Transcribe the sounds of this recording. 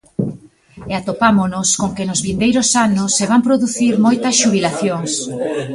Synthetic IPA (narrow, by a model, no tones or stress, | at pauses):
eat̪opamonʊskoŋkenʊzβind̪ejɾosanʊsːeβampɾoðuθiɾmojt̪ɐsʃuβ̞ilaθjoŋs